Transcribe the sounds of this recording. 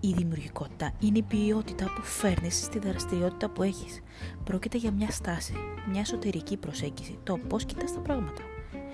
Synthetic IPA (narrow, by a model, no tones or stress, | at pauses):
iðimiuɾʝiko̞t̪i̥t̪ɐineipio̞t̪it̪ɐpufe̞ɾnisːt̪iðɾɐst̪iɾio̞t̪i̥t̪ɐpue̞çi̥s | pɾo̞cit̪e̞ʝɐmɲɐst̪ɐsimɲɐe̞so̞t̪e̞ɾicipɾo̞se̞ɲɟisit̪o̞po̞sci̥t̪ɐst̪ɐpɾɐɣmɐt̪ɐ̥